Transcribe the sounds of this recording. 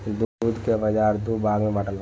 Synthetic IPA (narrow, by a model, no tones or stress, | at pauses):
d̪uuːd̪kebɐd͡ʒaːɾd̪ubaːɡmẽbɐʈəla